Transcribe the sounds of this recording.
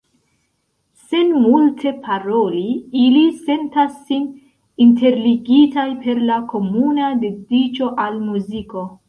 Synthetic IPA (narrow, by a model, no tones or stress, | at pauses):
se̞nmultʰe̞pʰaɾo̞liilise̞ntasːin | inte̞ɾliɡitajpe̞ɾlakʰo̞munade̞dit͡ʃo̞ʔalmuziko̞